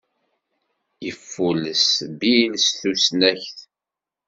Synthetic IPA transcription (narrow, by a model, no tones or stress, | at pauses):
jəfːuləsbilsθusnæçθ